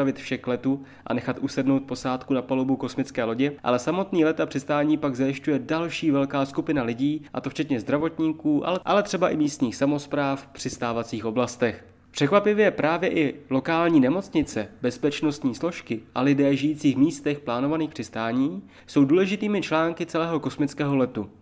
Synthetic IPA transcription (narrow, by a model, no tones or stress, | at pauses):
avɪt̪fʃɛklɛt̪u | ʔa̰nɛxat̪ʔusɛdno̞wt̪̚po̞saːt̪kunapalobuko̞smɪt͡skɛːlo̞ɟɪʔa̰lɛsamo̞t̪niːlɛt̪apr̥ɪst̪aːɲiːpaɡzajɪʃcujɛdalʃiːvɛlkaːskupɪnalɪɟiːʔa̰t̪o̞ft͡ʃɛt̪ɲɛzd̪ɾavo̞t̪ɲiːkuːʔa̰lɛʔalɛt̪r̝̥ɛbaʔɪmiːst̪ɲiːxsamo̞spɾaːfpr̝̥ɪst̪aːvat͡siːxʔo̞blast̪ɛx | pr̝̥ɛkvapɪvjɛpɾaːvjɛʔɪlo̞kaːlɲiːnɛmo̞t͡sɲɪt͡sɛbɛspɛt͡ʃno̞st̪ɲiːslo̞ʃkɪʔalɪdɛːʒɪjiːt͡siːxmiːst̪ɛxplaːno̞vaniːxpr̥ɪst̪aːɲiː | so̞wduːlɛʒɪt̪iːmɪt͡ʃlaːŋkɪt͡sɛlɛːɦo̞ko̞smɪt͡skɛːɦo̞lɛt̪u